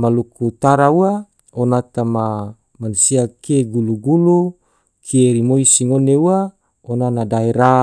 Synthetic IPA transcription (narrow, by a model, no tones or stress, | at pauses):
malukut̪aɾaua | onat̪ama | manusiakeɡuluɡulu | kʰieɾimoisiŋoneua | onanadaeɾa